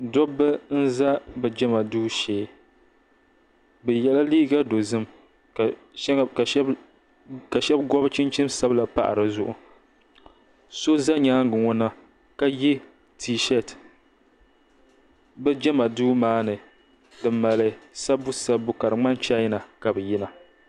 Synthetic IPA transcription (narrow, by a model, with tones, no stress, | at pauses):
dɔ˦bɨ˦n̩˦za˦bɛ˨d͡ʒɛ˦ma˨duː˦ʃeː˨˦ | bɛ˨jɛ˦la˦liː˦ɡa˦do˨zɨ˦m | ka˨˦ | ka˨˦ | ka˨ʃɛ˦bɡɔ˦bt͡ʃi˦nt͡ʃi˦msa˦bla˨pa̰˨ʔa̰˨ɾɨ˨zʊ˨ʔʊ˨ | so˦za˦ɲaː˦ŋ˦ɡɨ˨ŋɔ˦na˦ | ka˦ji˦ | tʰi˦ʃɛ˦t | bɛ˦d͡ʒɛ˦ma˨duː˦maː˦nɨ˨ | dɨ˨ma˨lɨ˦sa˦bʊ˦sa˦bʊ˨ka˨ɾɨ˨ŋ͡ma˦nt͡ʃa˦jna˨ka˨bɨ˨ji˦na˨